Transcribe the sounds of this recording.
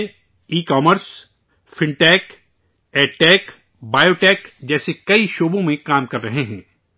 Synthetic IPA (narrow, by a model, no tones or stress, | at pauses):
iːkaːməɾs | fɪ̃ɳʈɛːk | ɛːʈɛːk | baːjoːʈɛːkd͡ʒɛːsekɐiʃoːbõmẽkaːmkɐɾːɐɦeɦɛ̃ː